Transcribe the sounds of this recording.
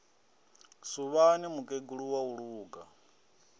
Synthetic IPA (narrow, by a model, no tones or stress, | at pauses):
suβanimukʼeɡuɺuwauɺuːɡa